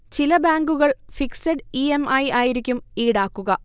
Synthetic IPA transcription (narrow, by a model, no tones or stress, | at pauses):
t͡ɕilɐbaːŋɡuɣɐɭfiksɐɖiemɐjaːjiɾikʲːumiːɽaːkːuɣɐ